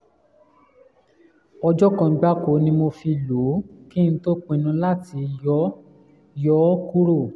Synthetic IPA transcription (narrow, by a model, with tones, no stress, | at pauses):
ɔ˧d͡ʒɔ˦kã˧˨˧ɡ͡ba˦ko˨˦nĩ˧mo˧fi˧lo˨˦ki˦ñ̩˧˦to˦k͡pĩ˨˧nũ˧la˦ti˧jɔ˨˦ | jɔ˦ku˦ɾo˦˨